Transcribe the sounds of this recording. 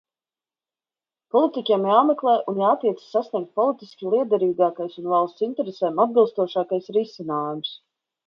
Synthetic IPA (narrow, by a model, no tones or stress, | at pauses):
pɔlˠit̪ikʲɛmjaːmɛklˠɛːʔunjaːt̪iɛt̪ssːasnʲiɛk̚t̪̚pɔlˠit̪iskʲilˠiɛd̪ɛɾiːɡaːkajsunvalˠst̪sint̪ɛɾesɛːmad̪̚bilˠst̪uɔʃaːkajsɾisinaːjums